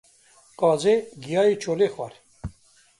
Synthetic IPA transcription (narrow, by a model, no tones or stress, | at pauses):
kɑːzeɡijɑːjit͡ʃʰoːleːxwaɾ